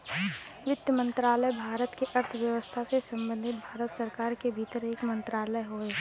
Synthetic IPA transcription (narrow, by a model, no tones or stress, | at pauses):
ʋɪt̪jəmə̃nt̪ɾaːləjbʱaːɾət̪keʔɐɾt̪ʰʋjəʋəst̪ʰasesɐ̃mbə̃nd̪ʱɪt̪̚bʱaːɾət̪sɐɾkaːɾkebʱiːt̪əɾeːkmə̃nt̪ɾaːləɦoːe